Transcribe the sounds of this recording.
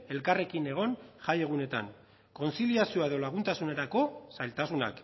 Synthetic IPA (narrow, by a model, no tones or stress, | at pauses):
e̞lkare̞kine̞ɣ̞o̞nʝaje̞ɣ̞une̞t̪a̰ŋ | ko̞nsiliasioaðo̞laɣ̞unt̪asune̞ɾako̞sajlt̪asuna̰k